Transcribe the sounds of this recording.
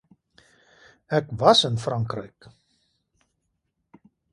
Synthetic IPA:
ɛkʋasənfraŋkrɛ̰jk

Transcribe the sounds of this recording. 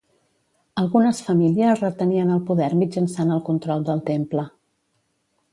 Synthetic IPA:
əlˠɣunəsfəmiliəzrət̪əniənəlˠpuðɛɾmid͡ʒənsanəlˠkunt̪ɾɔlˠd̪əlˠt̪emplə

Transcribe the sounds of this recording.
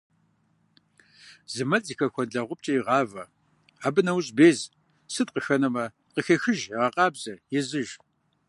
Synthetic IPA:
zɨmɐt͡sʼixɐxʷɔnɮɐʁʷʊp̚t͡ʃʼɐjiʁɑːvɐ | aːbɨnɐwɕʼbeːz | sɨtqəxɐnɐmɐ | qəxɐxɨʒʁɐqʼɑːbz̥ɐjɪzɨʒ

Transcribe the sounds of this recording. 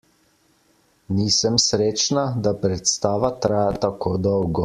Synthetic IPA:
niːsəmsɾeːt͡ʃnad̪apɾɛt̪st̪aːʋat̪ɾaːjat̪akoːd̪ɔwɡɔ

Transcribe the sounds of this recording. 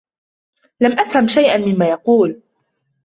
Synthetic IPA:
lamʔafhamʃajʔanmɪmːaːjɑquːl

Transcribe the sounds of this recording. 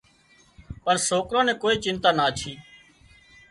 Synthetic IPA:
pəɳsoːkɾãːnɛ̃ːkoːiːt͡ʃɪnt̪aːnaːt͡ʃʰiː

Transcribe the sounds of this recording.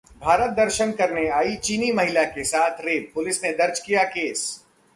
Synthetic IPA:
bʱaːɾət̪̚d̪ɐɾʃənkɐɾneaːit͡ʃiːnimɐɦɪlakesaːt̪ʰɾeːpʊlɪsned̪ɐɾt͡ʃkijakeːs

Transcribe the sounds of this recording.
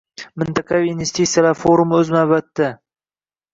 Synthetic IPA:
mɪnt̪ʰaqʰavinvest̪it̪sijalaɾfoɾumɵzmabat̪ːa

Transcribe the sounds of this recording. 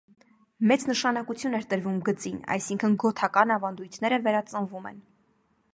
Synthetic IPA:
mɛt͡snəʃɑnɑkut͡sʰjunɛɾt̪əɾvumɡət͡sinɑ̰jsiŋkʰənɡɔt̪ʰɑkɑnɑvɑnd̪ujt̪ʰnɛɾəvɛɾɑt͡sənvumɛ̰n

